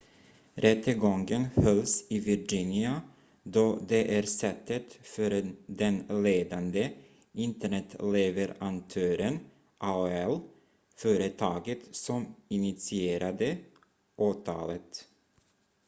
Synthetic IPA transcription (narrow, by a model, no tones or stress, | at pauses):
ɾɛt̪ːəɡɔŋɡənhœlsɪvɪɾd͡ʒɪnɪa | d̪ɔːd̪ɛʔæɾsɛt̪ːət̪fœɾd̪ɛnleːd̪and̪ə | ɪnt̪əɳɛt̪leːvəɾant̪ʰøːɾən | ʔɑɛl | fœːɾət̪ʰɑːɡət̪sɔmɪnɪt̪sɪeːɾʔad̪ə | ʔɑːt̪ʰɑ̰ːlət̪